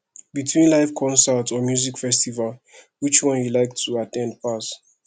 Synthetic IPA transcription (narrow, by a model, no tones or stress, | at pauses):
bitʰwĩnlaɪfkʰɔ̃nsɛtɔmjuzikfɛstival | wit͡ʃwɔ̃njulaɪk̚tʰuatʰɛ̃nd̚pʰas